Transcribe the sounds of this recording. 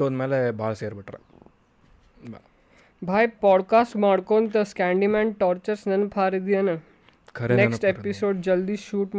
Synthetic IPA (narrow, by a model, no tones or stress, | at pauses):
oːnmeːlebʱaːɭseːɾbəʈɾa̰ | bʱaːjpɔːɽkaːsʈmaːɽkoːnt̪̬ɐskæ̃ɳɖimɛ̃ːɳʈɔːɾt͡ʃəɾsnɐnpʰaːɾid̪ianə | kʰɐɾnekʈepisoːɖ̚d͡ʑɐld̪iːsʃuːʈ